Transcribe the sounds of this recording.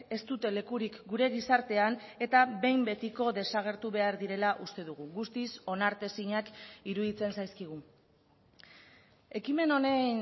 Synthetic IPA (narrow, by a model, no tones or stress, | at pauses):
e̞st̪ut̪e̞le̞kuɾikɡuɾe̞ɣisaɾt̪e̞ane̞t̪aβe̞jmbe̞t̪iko̞ðe̞saɣ̞e̞ɾt̪uβe̞aɾðiɾe̞laʔust̪e̞ðuɣ̞uɣust̪iso̞naɾt̪e̞siɲakiɾuðit͡se̞nsajskiɣ̞u | e̞kime̞no̞nejn